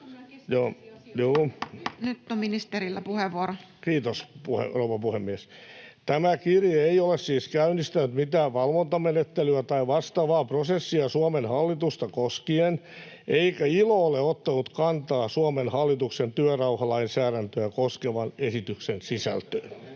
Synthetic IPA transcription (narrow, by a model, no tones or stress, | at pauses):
joːjuːnyt̪ːominist̪eɾilːæpuheʋːuoɾokiːt̪ospuhḛrouʋɑpuhemːiest̪æmækirjɑeiolessiːskæynist̪ænyt̪mit̪æːʋʋɑlʋont̪ɑmenet̪ːelyæt̪ɑiʋɑst̪ɑʋɑːprosesːiɑsuɑmenhɑlːit̪ust̪ɑkoskien | ʔeikæilooleot̪ːɑnut̪kɑnt̪ɑːsuomenhɑlːit̪uksent̪yørɑuhɑlɑinsæːɾænt̪øækoskeʋɑnesit̪yksensisæ̰lt̪øːn